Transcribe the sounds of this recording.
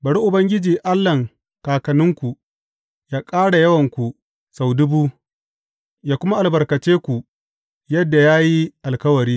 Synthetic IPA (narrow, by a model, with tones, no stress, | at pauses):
bɐ˨ɽu˦ʔʊ˨bɐ˦ŋɡʲɪ˦d͡ʒiː˨ʔa˦lːɐ˨ŋ | kaː˨kɐ˨nɪ˦ŋkʷu˨ | jaː˦kʼaː˦ɽa˨jɐ˦wɐ˨ŋkʷu˨ | sa˨wdʊ˦buː˦ | jaː˦kʷʊ˦ma˦ʔa˨lbɐ˨rkɐ˨t͡ʃeː˦kʷu˨ | jɐ˦dːa˨jaː˦ji˦ʔa˨lkɐ˦wɐ˨ɾiː˦